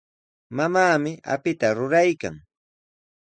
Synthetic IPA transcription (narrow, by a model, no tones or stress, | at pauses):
mamaːmɪʔa̰pɪt̪aɾʊɾajka̰ŋ